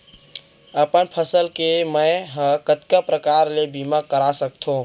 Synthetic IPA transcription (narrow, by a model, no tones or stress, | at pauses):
əpənpʰəsəlkeməjɦə̃kət̪kəpɾəkaɾlebiməkːəɾasəkt̪ʰũ